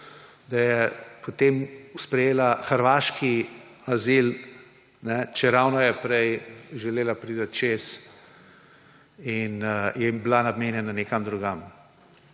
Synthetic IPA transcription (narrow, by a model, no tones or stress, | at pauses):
d̪ajɛpot̪emspɾɛjeːlaxəɾʋaːʃkiazil | nɛt͡ʃɛɾawnɔjɛpɾɛjʒɛleːlapɾiːd̪ɐt̪t͡ʃeːs | injɛmblanabmeːnjɛnaneːkamd̪ɾuɡam